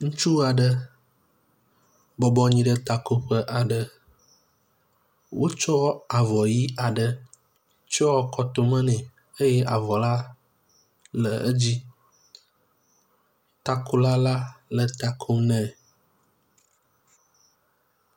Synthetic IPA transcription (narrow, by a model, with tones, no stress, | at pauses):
ŋũ˦t͡ʃu˦a˨ɖə˦ | bɔ˨bɔ˦ɲĩ˦ɖə˦t̪a˨ko˦ɸə˦ʔa˨ɖə˨ | wo˦t͡ʃɔ˦wa˨vɔ˨ji˦a˨ɖə˨ | t͡ʃɔ˦ɔ˦kɔ˦t̪o˦mə̃˦nɛ̃˨ | e˦jɛ˦ʔa˨vɔ˨la˦ | lə̰˨ə̰˦d͡ʑi˦ | t̪a˦ko˦la˦la˦lə˨t̪a˨kʰo˦mnɛ̃˨